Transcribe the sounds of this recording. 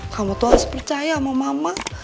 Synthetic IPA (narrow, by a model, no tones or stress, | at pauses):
kʰamat̪oasprət͡ʃajamamama